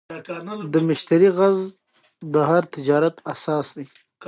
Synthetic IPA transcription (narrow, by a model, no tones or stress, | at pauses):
d̪əmɪʃt̪aɾiɣaz | baɦaɾt̪ɪd͡ʒɑːɾat̪asɑːsd̪i